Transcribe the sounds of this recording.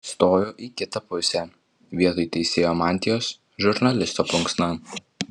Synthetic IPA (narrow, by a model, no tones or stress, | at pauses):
st̪oːjoːʔiːˑkʲɪt̪ɐpʊsʲɛ | ʋʲiɛt̪ojt̪ʲɛɪsʲeːjoːmɑːnʲt̪ʲɪjoːs | ʒʊɾnɐlʲɪst̪oːpʊŋksnɑ